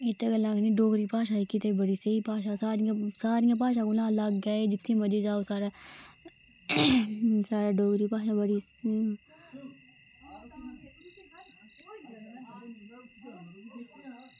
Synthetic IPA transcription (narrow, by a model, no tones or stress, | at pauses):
ɪt̪ːeɡəlːãkniɖoːɡɾiːpaːʃaːkit̪ebəɽiseipaːʃ̬aːsaːɾijãsaːɾijãp̬aːʃ̬aːkulãːlaɡɡaːed͡ʒɪt̪ʰːĩːmɐd͡ʒed͡ʒaːosaːɾa | saːɾaɖoːɡɾipaːʃabəɽi